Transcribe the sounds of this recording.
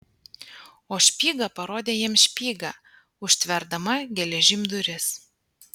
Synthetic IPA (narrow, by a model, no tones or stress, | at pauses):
oːʃʲpʲiːɡɐpɐɾoːd̪ʲeːjiɛmʃʲpʲiːɡɐ | ʊʃʲt̪ʲʋʲɛɾd̪ɐmɐɡʲɛlʲɛʒʲɪmʲd̪ʊɾʲɪs